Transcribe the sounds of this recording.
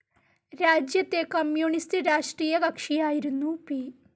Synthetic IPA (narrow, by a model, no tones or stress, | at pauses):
ɾaːd͡ʑjɐt̪ːekɐmjuːɳistɨɾaːʂʈriːjɐɡɐkʂijaːjiɾunːupiː